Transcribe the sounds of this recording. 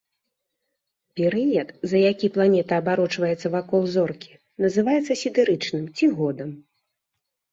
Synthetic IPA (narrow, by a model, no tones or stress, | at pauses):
pʲɛɾɨjɐt̪zɐjakʲiplˠanʲɛt̪ɐːbaɾɔt͡ʂvɐjɛt̪sːɐvakɔlˠzɔrkʲi̥ | nɐzɨvajɛt̪sːɐsʲid̪ɨɾɨt͡ʂnɨmt͡sʲiɣɔd̪ɐm